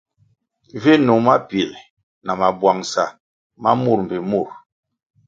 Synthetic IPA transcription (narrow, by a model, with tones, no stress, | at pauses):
vi˦nu˨ma˦pi˨l | na˨ma˨bwa˨ŋsa˨ | ma˦mu˦˨ɾm̩˨bi˨mu˦˨ɾ